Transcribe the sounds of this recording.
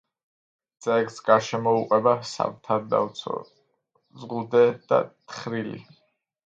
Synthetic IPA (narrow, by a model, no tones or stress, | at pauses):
d̪z̥ɛksɡaɾʃɛmɔuqʼɛbasa̰vt̪ʰad̪a̰ɔ̰ | zʁuld̪ɛd̪̥a̰t̪ʰχɾilḭ